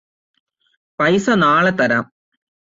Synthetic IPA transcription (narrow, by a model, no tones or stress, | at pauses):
pɐjsɐnaːɭet̪ɐɾam